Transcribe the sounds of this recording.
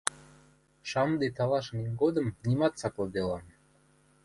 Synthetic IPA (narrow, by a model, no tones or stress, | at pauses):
ʃɑmd̪et̪ɑlˠɑʃniŋɡod̪ə̆mnimɑt̪sɑklˠɤd̪elˠɑn